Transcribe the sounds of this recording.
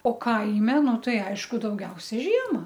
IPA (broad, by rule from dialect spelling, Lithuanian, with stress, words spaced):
oː ˈkɐɪmʲɛ ˈnʊ ˈtɐɪ ˈɐɪʃkʊ dɐʊˈɡʲɛʊsʲɛ ˈʒʲiɛmɐ